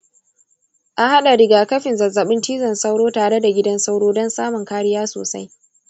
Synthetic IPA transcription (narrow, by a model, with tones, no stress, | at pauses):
ʔa˨ha˦ɗa˨ɽɪ˨ɡaː˨kɐ˦ɸɪ˨nzɐ˨zɐ˨ɓɪ˦ntiː˦zɐ˨nsa˦wɽoː˦taː˨ɽe˦da˨ɡʲɪ˦dɐ˦nsa˦wɽoː˦dɔ˦nsaː˦mʊ˨ŋkaː˦ɽɪ˦jaː˦so̰ː˨sa˦j